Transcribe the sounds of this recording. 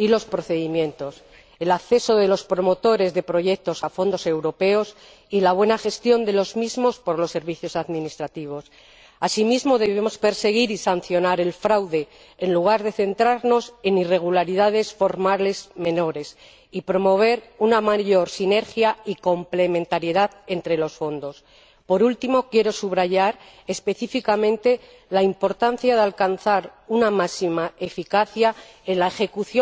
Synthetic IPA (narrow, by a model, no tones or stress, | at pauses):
ilo̞spɾo̞θe̞ðimjẽ̞nt̪o̞s | elakθe̞so̞ðe̞lo̞spɾo̞mo̞t̪o̞ɾe̞zðe̞pɾo̞ʝe̞k̚t̪o̞safo̞nd̪o̞se̞wɾo̞pe̞o̞s | ilaβ̞we̞naxe̞st̪jo̞nd̪e̞lo̞zmizmo̞spo̞ɾlo̞sːe̞ɾβiθjo̞saðminist̪ɾat̪iβ̞o̞s | asimizmo̞ðe̞βemo̞spe̞ɾse̞ɣ̞iɾisan̟θjo̞naɾe̞lfɾawðe̞ː | nluɣ̞aɾðe̞θe̞nt̪ɾaɾno̞se̞nire̞ɣ̞ulaɾiðaðe̞sfo̞ɾmale̞zme̞no̞ɾe̞s | ipɾo̞mo̞β̞e̞ɾunamaʝo̞ɾsine̞ɾxjaiko̞mple̞mẽ̞nt̪aɾjeðaðe̞nt̪ɾe̞lo̞sfo̞nd̪o̞s | po̞ɾult̪imo̞kje̞ɾo̞suβɾaʝaɾ | espe̞θifikamẽnt̪e̞ | laimpo̞ɾt̪an̟θjaðealkanθaɾunamasimae̞fikaθjae̞nlaexe̞kuθjo